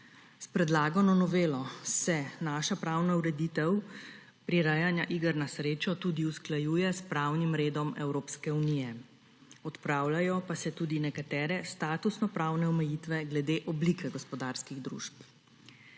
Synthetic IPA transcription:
spɾɛd̪laːɡɔnɔnɔʋeːlɔsɛnaːʃapɾawnauɾɛd̪it̪ɛw | pɾiɾajanjaʔiɡəɾnasɾeːt͡ʃɔt̪ud̪iusklajuːjɛspɾawnimɾeːd̪ɔmɛwɾoːpskɛunijɛ | ɔt̪pɾaːwlajɔpasɛt̪uːd̪inɛkat̪ɛːɾɛst̪aːt̪usnɔpɾaːwnɛɔmɛjit̪ʋɛɡlɛd̪eːʔɔblikʰɛɡɔspɔd̪aɾskiɣd̪ɾṵːʃp

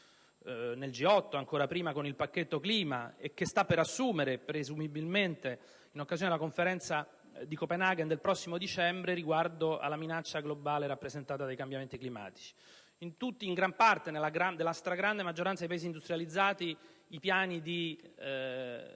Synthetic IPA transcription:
neld͡ʒiɔt̪ːoaŋkoːɾapɾiːmakonilpakːet̪ːokliːma̰ek̟ːest̪apːeɾasːuːmeɾepɾezumibilment̪e | inokːazjond̪elakoɱfeɾɛnt̪sa | d̪ikopenaɡend̪elpɾɔsːimod̪it͡ʃɛmbɾeɾiɡward̪oʔa̰lːaminat͡ʃːaɡlobaːleɾapːɾezent̪aːt̪ad̪ajkambjament̪iklima̰ːt̪i̥t͡ʃi̥ | int̪ut̪ːiːŋɡɾampart̪enelːaɡɾad̪elːast̪ɾaɡɾand̪emad͡ʒːoɾant̪adejpaeːzind̪ust̪ɾjalid̪zːaːt̪iː | pjaːnid̪i

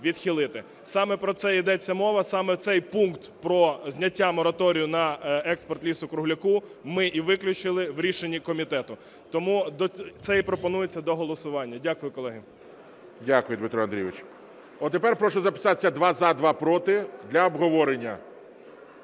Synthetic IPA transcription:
ʋʲid̪xʲilˠɪt̪ɪ | sɑmɛpɾɔt̪sɛid̪ɛt͡sʲːɐmɔʋɐsɑmɛwt̪sɛjpunkt̪pɾɔzʲnʲɐtʲːamɔɾɐt̪ɔɾʲijʊnɐɛkspɔrt̪lʲisʊkɾʊɦlʲʊkumɪʔiʋɪklʲʊt͡ʃɪlˠɪwɾʲiʃenʲːikɔmʲit̪ɛt̪ʊ | t̪ɔmud̪ɔt̪sɛipɾɔpɔnujet͡sʲːɐd̪ɔɦɔlˠɔsʊʋɑnʲːɐdʲakʊjʊkɔlˠɛɦɪ | dʲakʊjʊd̪mɪt̪ɾɔɐnd̪ɾʲijʋɪt͡ʃ | ɔt̪epɛrpɾɔʃɔzɐpɪ̥sɑsʲɐd̪ʋɑzɐd̪ʋɑpɾɔt̪ɪd̪lʲɐɔbɦɔʋɔɾenʲːɐ

